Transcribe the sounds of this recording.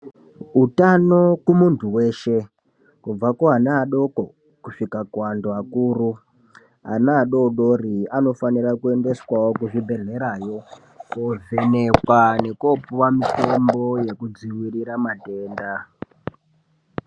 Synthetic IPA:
utano̞kumuntʰuwe̞ːʃe̞ | kub͡vakoɦanaːɗo̞ko̞ | kuʂikakuwandoakuːru | ɦa̰naːɗo̞ɗoriano̞fanirakue̞nde̞swawokuʐibʱe̞ɮe̞ɾajo̞ | kove̞ne̞kwane̞kopuwamito̞mbo̞je̞kud͡ziwiriɾamateːnda

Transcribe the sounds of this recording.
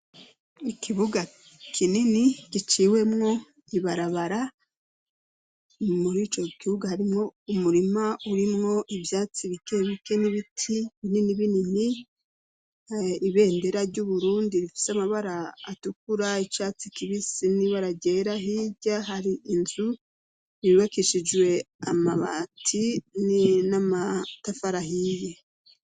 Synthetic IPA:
ikʰiβuɡa | kʰininikit͡ʃiːwe̞mŋo̞ | iβaɾaβaɾa | muɾiːt͡ʃo̞kiβuɡahaɾimŋo̞umuɾimauɾimŋo̞ʔivjaːt͡siβike̞βike̞niβitʰiβininiβinini | iβe̞ːnde̞ɾaɾɟuβuɾuːndiɾifi̥seamaβaɾaːtukuɾait͡ʃaːt͡sikiβisiniβaɾaɟe̞ɾaɦiɟaɦaɾiʔinzu | βiβakeʃid͡ʒwe̞ | amaβa̰tʰininamatafaɾaɦije

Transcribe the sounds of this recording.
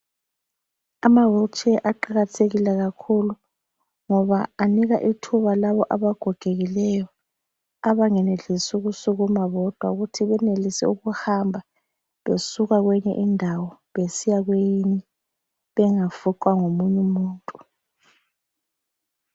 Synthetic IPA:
amaβɔt͡ʃʰʼɛʔaǃaɣatʰeɣilɛɣakʰulu | ŋɔβaːniɣaʔitʰuβalaβɔʔaβaɡ̥ʱɔɡ̥ʱeɣilɛjɔ | aβaŋɛneɮisuɣusuɣumaβɔd̥ʱwa̰uɣutʰiβɛnelisɛ̰uɣuhambʱa | βesuɣaɣwɛɲɛ̰ʔindʱawɔβesijaɣwejini | βɛŋafuǃwaŋomuɲumuːntʼu

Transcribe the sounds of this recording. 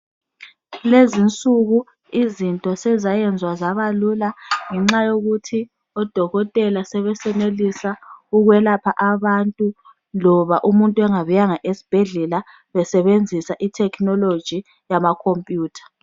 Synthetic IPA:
lezint͡sʼuɣu | izintʼɔsɛzajɛnd͡zʱwazaβalulaŋɛŋ͡ǁajoɣutʰi | ɔd̥ʱɔɣɔtʼɛlasɛβɛsɛnelisauɣwɛlapʰaʔaβantʼu | lɔβaʔumuntʼuɛŋaβujaŋaʔesi̥b̥ʱɛɮɛla | βɛsɛβend͡zʱisaʔitʰɛkʰnɔlo̥ʒ̥ʱi | jamakʰompʼjuːtʰḁ

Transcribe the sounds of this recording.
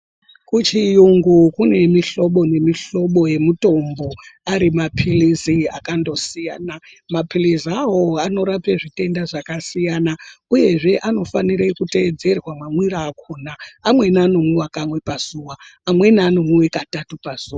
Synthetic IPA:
kut͡ʃijuŋɡukune̞miɬo̞ɓo̞ne̞miɬo̞ɓo̞je̞muto̞mbo̞aɾimapʰilizia̰kando̞sija̰ːna | mapilizawo̞ano̞ɾapeʐite̞ndaʐakasijanauje̞ʐe̞ʔano̞faniɾekute̞ːd͡ze̞rwamamwiɾaːkʰonaːmwe̞nano̞muwakamwe̞paz̥uwaːmwe̞naːno̞muwe̞katatupaz̥uːa

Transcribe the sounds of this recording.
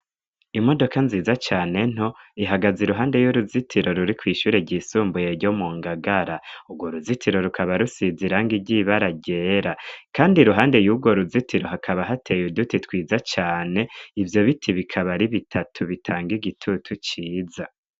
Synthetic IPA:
imo̞do̞kanziːzat͡ʃaːne̞n̥hoiɦaɡaziɾuɦaːnde̞juɾuzitʰiɾo̞ɾuɾikwiːʃuːɾeɟisuːmbuje̞ɾɟo̞muŋɡaɡaɾauɡwo̞ɾuzitʰiɾo̞ɾukʰaβaɾusiziɾaŋɡiɟiβaɾaɟe̞ːɾakaːndiɾuɦaːnde̞juːɡwo̞ɾuzitʰiɾo̞ɦakʰaβaɦatʰe̞judutitwiːzat͡ʃaːne̞ivjo̞βitʰiβikʰaβaɾiβitʰatʰuβitʰaːŋɡiɡitʰutʰut͡ʃiːza

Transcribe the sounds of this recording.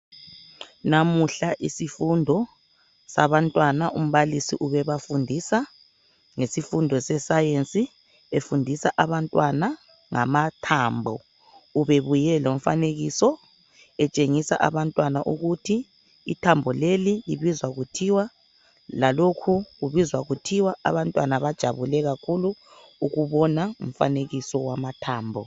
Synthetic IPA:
namuɬaʔisifundʱɔ | saβantʼwanaʔum̩βalisiʔuβɛβafundʱiːsa | ŋesifundʱɔsɛsajent͡sʼi | efundʱisaʔaβantʼwana | ŋa̰matʰaːmbʱɔ | uβeβujɛlom̩faneɣisɔ | ɛt͡ʃʼeŋisaʔa̰βantʼwanaʔuɣutʰiː | tʰambʱɔleliliβizwaɣutʰiwa | lalokʰuɣuβizwaɣutʰiwaa̰βantʼwa̰naβad̥ʒ̥ʱaβulɛɣakʰulu | uɣuβɔnaum̩fa̰neɣisɔwamatʰaːmbʱɔ̰

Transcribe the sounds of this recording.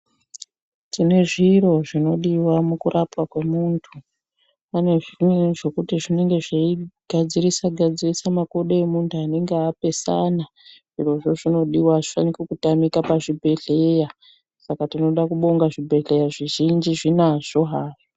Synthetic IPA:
tine̞ʐiro̞ʐino̞ɗiwamukurʔapwakwe̞muntʰu | ane̞ʐʐo̞kutiʐine̞ŋɡe̞ʐeiɡ̥ʱad͡zirisaɡʱad͡zirisamakoɗoemuntʰuane̞ŋɡeape̞sana | ʐiro̞ʐo̞ʐino̞ɗiwaʐifanikekutamikapaʐibʱe̞ɮeja | sakatino̞ɗakuɓoŋɡaʐibʱe̞ɮe̞jaʐiʒind͡ʒiʐinaʐ̥o̞ɦaːʐ̥o

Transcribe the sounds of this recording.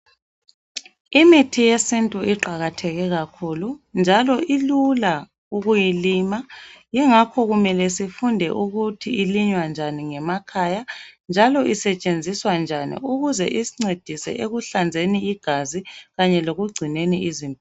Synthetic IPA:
imitʰijesintʼuʔiǃaɣatʰɛɣɛɣakʰulund͡ʒʱalɔʔilula | uɣujilimajɛŋakʰɔɣumɛlɛsifundʱɛ̰ʔuɣutʰiiliɲwand͡ʒʱaniŋɛmakʰajand͡ʒʱalɔʔisɛt͡ʃʼend͡zʱiswand͡ʒʱanḭuɣuzɛ̰ʔisiŋ͡ǀed̥ʱisɛ̰ʔeɣuɬand͡zʱeniːɡ̥ʱaziɣaɲɛloɣuɡ͡ǀʱineniizimb

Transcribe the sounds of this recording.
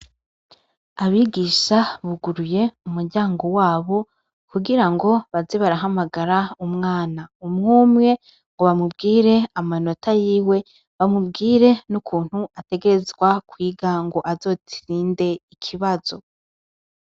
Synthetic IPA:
aβiɡiʃaβuɡuɾuje̞umuɾɟaːŋɡo̞waːβo̞ | kuɡiɾaŋɡo̞βaziβaɾaɦamaɡaɾaumŋaːnaumŋuːmŋe̞ | ŋɡo̞βamub̚ɡiːɾe̞amano̞tʰajiːwe̞ | βamubɡiːɾe̞nukʰuːn̥huate̞ɡeɾezɡwakwiːɡaŋɡo̞ʔazo̞ːtʰiɾiːnde̞ikʰiβazo̞

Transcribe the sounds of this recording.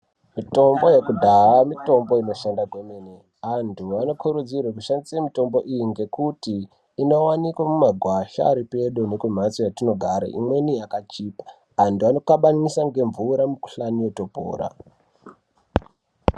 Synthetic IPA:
mito̞mbo̞jekudʱaɦamito̞mbo̞ino̞ʃandaɡwemene | ʋantʰuano̞kʰuɾud͡zirwakuʃandisiemito̞mbo̞ʔijiŋɡe̞kutiː | no̞wanikwamumaɡʱwaʃa̰ːɾipe̞ɗune̞kum̤at͡sojatino̞ɡʱaɾa̰ʔḭmwe̞nijakat͡ʃiːpḁ | antuano̞kaɓaɲisaŋɡe̞ɱvuɾamuku̥ɬaniwe̞to̞po̰ːɾa̰

